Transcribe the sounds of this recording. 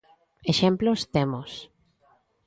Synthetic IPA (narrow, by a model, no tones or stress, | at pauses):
eʃemplost̪emos